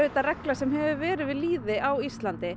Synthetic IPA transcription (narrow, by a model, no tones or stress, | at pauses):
œːɥt̪aɾɛklasɛmɦɛvʏvɛːɾɪðvɪðliːðɪʔawist̪lant̪ɪ